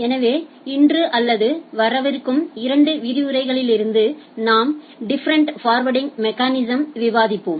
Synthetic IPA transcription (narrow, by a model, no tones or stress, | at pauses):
ɛnɐʋeː | ɪndrɯʔɐlːɐðɯʋɐɾɐʋɐɾkːɯmɪɾɐɳɖɯʋɪɾɪɯɾɐɪɣɐɭɪlɪɾɯnd̪ɯnaːm | ɖɪfɐɾɐɳʈfaːɾʋɐɽɪŋmɛkːaːnɪsɐmʋɪʋaːðɪpːoːm